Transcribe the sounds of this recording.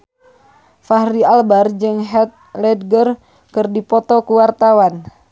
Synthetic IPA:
faɦrialbard͡ʒɨŋɦɛt̪̚lɛd̚ɡər | kɨrdipɔt̪ɔkuwart̪awan

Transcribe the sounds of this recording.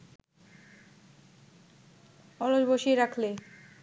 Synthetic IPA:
ɔɾod͡ʑboʃieɾakʰle

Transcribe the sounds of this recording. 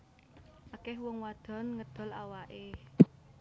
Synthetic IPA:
ʔakɛhwɔŋwad̪̥ɔ̤nŋəd̪̥ɔ̤lawaʔe

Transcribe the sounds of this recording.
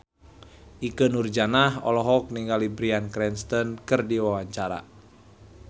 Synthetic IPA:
ʔikənurd͡ʒanahɔ̰lɔɦɔk̚niŋɡalibɾiankɾɛnst̪ɔnkɨrdiwawaɲt͡ʃaɾa̰

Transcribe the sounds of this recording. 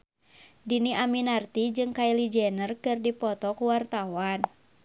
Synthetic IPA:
diniaminart̪id͡ʒɨŋkailid͡ʒɛnərkɨrdipɔt̪ɔkuwart̪awan

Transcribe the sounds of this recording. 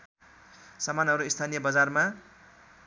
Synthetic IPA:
sʌmanʌɾuist̪ʰanijʌbʌd͡zarma

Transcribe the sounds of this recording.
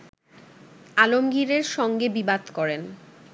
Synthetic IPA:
alomɡiɾeɾʃɔŋɡebibad̪kɔɾen

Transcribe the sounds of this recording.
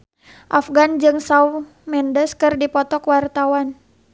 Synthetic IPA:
ʔafɡand͡ʒɨŋsau | mɛndəskɨrdipɔt̪ɔkwart̪awan

